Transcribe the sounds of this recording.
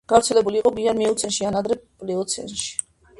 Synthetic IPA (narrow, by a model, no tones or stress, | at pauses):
ɡ̥avɾt̪sʰɛlɛbuliːqʼɔbianmiut̪sʰɛnʃianad̪ɾɛpʼliɔt̪sʰɛ̰nʃi̥